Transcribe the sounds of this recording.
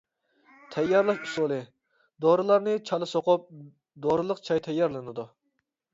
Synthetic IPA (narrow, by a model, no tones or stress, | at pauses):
t̪ʰɛjːɑɾlˠɑʃusolˠɨ | d̪oɾɨlˠɑɾnɨt͡ʃʰɑlˠɨsoqʊp̚ | d̪oɾɨlˠəqt͡ʃʰɑjt̪ʰɛjːɑɾlˠɨnɨd̪u